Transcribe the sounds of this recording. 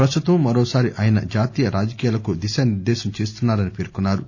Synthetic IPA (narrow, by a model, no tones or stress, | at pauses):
pɾɐst̪ut̪ɐmːɐɾoːsaːɾiʔaːjɐnɐ̰d͡ʒaːt̪iːjɐɾaːd͡ʒɐkiːjaːlɐkud̪iʃaːniɾd̪ɛːʃɐmt͡ʃe̞ːs̬t̪unːaːɾɐnipeːɾkunːaːɾu